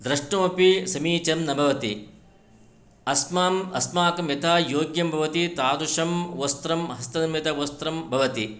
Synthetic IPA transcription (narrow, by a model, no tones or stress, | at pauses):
d̪ɾɐʂɳɐʋɐpisɐmiːt͡ʃɐmnɐbʱɐʋɐt̪i | ɐsmamɐsmaːkɐmjɐt̪ʰaːjoːɡjɐmbʱɐʋɐt̪it̪aːd̪uʂɐmʋɐst̪ɾɐmɦɐst̪ɐnɐmjɐt̪ɐʋost̪ɾɐmbʱɐʋɐt̪i